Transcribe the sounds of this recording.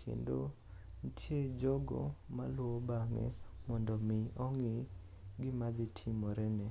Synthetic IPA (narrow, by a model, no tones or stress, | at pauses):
kʰḛndo̰ | ntʰjed͡ʒɔɡɔ̰malwɔbaŋɛ̰mɔndɔmɪɔŋɪ | ɡɪmad̪ɪtʰɪmɔɾɛnɛ